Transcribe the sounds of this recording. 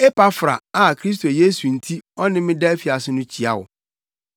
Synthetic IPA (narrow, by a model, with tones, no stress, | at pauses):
ɛ˦pa˦fɾa̰˨a˨kʰɾi˦s̬tʰo˨jeː˦su˨n̩˨tʰi˦ɔ˦nɪ̃˦mɪ̃˦dɛ˦e˦fi˨a˨sɪ˦nʊ̃˦t͡ɕʰi˨a̰˦wʊ̰˨